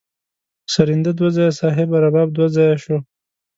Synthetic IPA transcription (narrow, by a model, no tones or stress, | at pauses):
saɾind̪ad̪wazɑjasɑːɦɪbaɾabɑːb̚d̪wazɑjaʃo